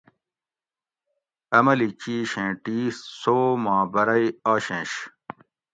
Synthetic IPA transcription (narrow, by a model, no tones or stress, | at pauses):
ɐmɐlit͡ɕiːɕẽːʈiːssoːmɑ̃ːbɐɾɐiaːɕẽːɕ